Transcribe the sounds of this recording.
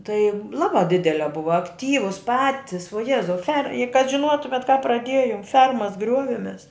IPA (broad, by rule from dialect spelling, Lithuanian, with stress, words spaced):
tɐɪ ˈlˠɑːbɑː ˈdʲɪdʲɛlʲɛ ˈbʊʋɐ ɐkˈtʲiːʋʊs ˈpɑːtʲɪs ʋuɔ ˈjæːzɐʊ fʲɛr ɪ kɐt ʒʲɪnˈuɔtʊmʲɛt kɐ prɐˈdʲiɛjoːm ˈfʲɛrmɐs ˈɡrʲuɔʋʲɛmʲɛs